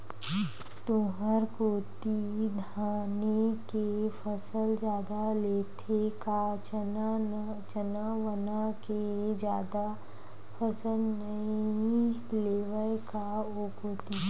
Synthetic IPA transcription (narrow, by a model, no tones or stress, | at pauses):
t̪oɦəɾkoːt̪id̪ʱaːnekefʰəsəld͡ʒjaːd̪aleːt̪ʰeka | t͡ʃənaʋənaked͡ʒjaːd̪a | pʰəsəlnəi | leːʋəlkaokoːt̪i